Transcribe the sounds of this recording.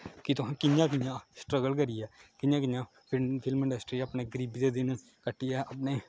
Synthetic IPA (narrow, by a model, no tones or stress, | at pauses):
kɪt̪ʊɦãːkɪnjãːkɪjãːsʈɾəɡəlkəɾiɛːkɪnjãːk̬ɪjãː | pʰɪpʰɪlmɪ̃ɳɖəsʈɾiːəpneːɡəɾiːbd̪eːd̪ɪn | kəʈʰːiɛːʔəpneː